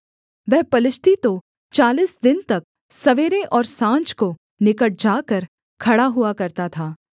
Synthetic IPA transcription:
ʋɛɦpɐlɪʃt̪ʰit̪o | t͡ʃaːliːsd̪ɪnt̪ɐk̚ | sɐʋeːɾeʔɔːɾsãːɲt͡ʃko | nɪkəʈ̚d͡ʒaːkəɾ | kʰɐɽaɦʊakɐɾt̪at̪ʰaː

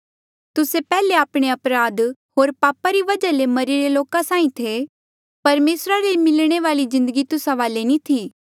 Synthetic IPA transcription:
t̪ʊsepɛːleaːpɽ̃eɐpɾaːd̪ɦoːɾpaːpaɾiʋɐd͡ʒalemɐɾiɾeloːkasãːĩt̪ʰe | pɐɾmeːsɾaɾemɪlɽ̃eʋaːlizɪ̃nd̪əɡit̪ʊsaʋaːlenĩt̪ʰiː

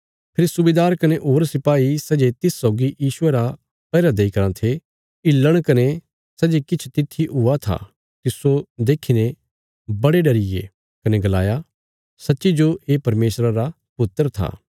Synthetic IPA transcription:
pʰɪɾsʊbeːd̪aːɾkɐneʔoːɾsɪpaːisɛːd͡ʒet̪ɪsːɔːɡijiːsʊeɾa | pɛːɾad̪eikɐɾãt̪ʰe | ɪlːəɽ̃kɐne | sɛːd͡ʒekɪt͡ʃʰt̪ɪt̪ʰːiɦʊat̪ʰa̰ | t̪ɪsod̪eːkʰine | bɐɽeɖɐɾɪjḛ | kɐneɡɐla̰ːja | sɐtːʃid͡ʒoeːpɐɾmeːsɾaɾa | pʊt̪ːəɾt̪ʰa̰ː

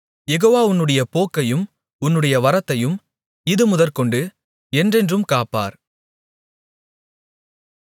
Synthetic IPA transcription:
jɛɣoːʋaːʊnːɯɽɐjɐpoːkːɐjɯm | ʊnːɯɽɐjɐʋɐɾɐt̪ːɐjɯm | ɪðɯmʊðɐɾkɔɳɖɯ | ɛndrɛndrɯmkaːpːa̰ːɾ

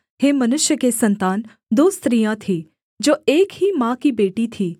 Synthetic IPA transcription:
heːmɐnʊʃjəkesɐ̃nt̪aːn | d̪oːst̪ɾijãt̪ʰi | d͡ʒoːeːkɦimãːkibeːʈit̪ʰiː

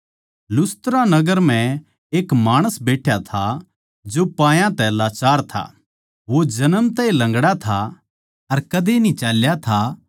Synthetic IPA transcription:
lʊst̪ɾãnɐɡəɾm̤ɛ̃ | eːkmaːɽ̃əsbeːʈʰjat̪ʰa | d͡ʒopãːjãt̪ɛɐlaːt͡ʃaːɾt̪ʰa̰ː | ʋod͡ʒɐnəmt̪ɛ̃ilɐ̃ŋɡɽat̪ʰa | ɐɾkɐd̪enĩt͡ʃaːljat̪ʰa

